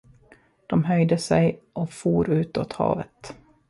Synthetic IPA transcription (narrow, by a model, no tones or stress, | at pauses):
d̪̥ɔmɦœjd̪əsɛjʔɔfuːɾʉ̟ːt̪ot̪hɑ̰ːvə̰t̪